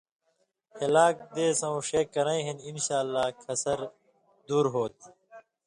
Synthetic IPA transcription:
helaːk̚d̪eːsɐ̃wʂeːkːɐɾɐ̃ĩɦininɕaːlːaːkʰɐsɐɾ | d̪uːɾɦoːt̪̚

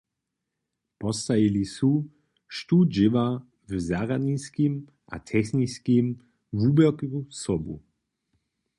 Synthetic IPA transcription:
pɔst̪ajilisu | ʃt̪ud͡ʒɪva | vzaʁaniskim | ʔa̰t̪ʰɛxniskim | vubɛkusɔbṵ

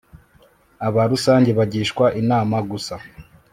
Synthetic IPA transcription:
aβaɾusaːɲɟeβaɟiːʃkwaʔinaːmaɡusa

